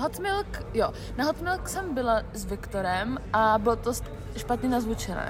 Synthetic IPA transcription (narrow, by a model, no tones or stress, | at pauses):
ɦot̪mɪlkjo | naɦot̪mɪlksɛmbɪlazvɪkt̪oɾɛmʔabɪlot̪ost | ʃpat̪ɲɛnazvut͡ʃɛnɛ̰ː